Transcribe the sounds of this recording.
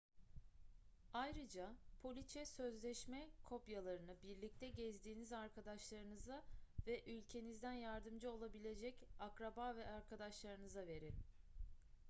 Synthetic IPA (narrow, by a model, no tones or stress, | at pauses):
ajɾɯd͡ʒapʰo̞lʲit͡ʃʰɛsøzlʲɛʃmɛkʰo̞pjalˠaɾɯnɯbiɾlʲic̚t̪ʰɛɟɛzd̪iːnizaɾkʰad̪aʃlˠaɾɯnɯzavɛʔylʲcʰe̞nizd̪ænjaɾd̪ɯmd͡ʒɯo̞lˠabilʲe̞d͡ʒɛcakɾabaːvɛʔaɾkʰad̪aʃlˠaɾɯnɯzave̞ɾɪ